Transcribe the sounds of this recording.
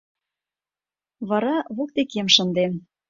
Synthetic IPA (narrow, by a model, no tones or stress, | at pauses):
βɑɾɑβok̚t̪ekemʃə̆nd̪em